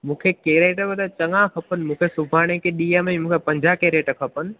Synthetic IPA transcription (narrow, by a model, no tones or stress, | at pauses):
mũːkʰekeːɾeːʈbɐd̪at͡ɕɐŋãkʰɐpənɪ̆mũːkʰesʊbʱaːɽ̃ẽkʰeɗiːəmɛ̃mũːkʰepɐ̃ɲd͡ʑakeːɾeːʈkʰɐpənɪ̆